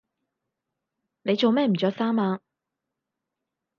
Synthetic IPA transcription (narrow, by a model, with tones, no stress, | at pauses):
ne˨˧jt͡ʃo˨wmɛː˥m̩˨˩t͡ʃœː˨˥k̚saː˥maː˧